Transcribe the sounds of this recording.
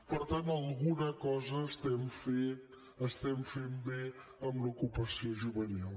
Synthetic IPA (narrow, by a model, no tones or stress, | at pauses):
pəɾt̪ant̪əlˠɣunəkɔzəːst̪ɛmfe | əst̪ɛmfembe | əmlukupəsioʒuβənilˠ